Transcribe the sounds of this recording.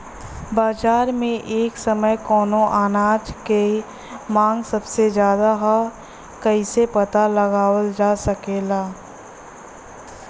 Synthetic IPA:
baːd͡ʒaːɾmẽʔeːksɐməjkɔːnõʔaːnaːd͡ʒke | mãːŋɡsɐbsezjaːd̪aɦa | kɐisepɐt̪alɐɡaːwəld͡ʒaːsɐkeːlaː

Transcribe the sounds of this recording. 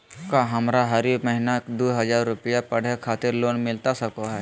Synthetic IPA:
kaɦɐmɾaɦɐɾiməɦɪnakd̪oːɦɐzaːɾːʊpəjapɐɽ̤ekʰaːt̪ɪɾloːnmɪlt̪asɐkoɦɛː

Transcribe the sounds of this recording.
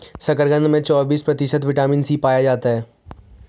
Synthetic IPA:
sɐkəɾɡə̃nd̪mẽt͡ʃɔːbiːspɾɐt̪ɪʃət̪ʋɪʈaːmĩnsiːpaːjad͡ʒaːt̪aɦɛː

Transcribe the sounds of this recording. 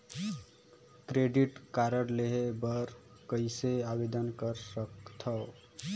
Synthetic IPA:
kɾeɖiʈkaɾəɽleɦebəɾkəjseabed̪ənkəɾsəkt̪ʰə

